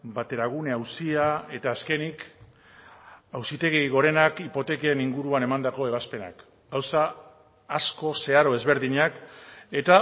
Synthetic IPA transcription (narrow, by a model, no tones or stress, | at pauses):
bat̪e̞ɾaɣ̞uneawsiae̞t̪aːske̞nik | awsit̪e̞ɣijɣo̞ɾe̞nakipo̞t̪e̞keeniŋɡuɾuane̞mand̪ako̞e̞β̞aspe̞na̰k | ɡawsaː | sko̞se̞aɾo̞e̞zβe̞ɾðiɲake̞t̪a